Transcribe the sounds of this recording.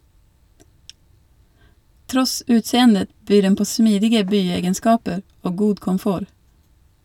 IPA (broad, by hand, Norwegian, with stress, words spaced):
ˈtɾɔs ˈʉːtˌseːəndə ˈbyː ˈɖɛn ˈpoː ˈsmiːdɪɡə ˈbyːˌeːɡənˌskɑːpə ˈoː ˈɡuː kɔmˈfoːɾ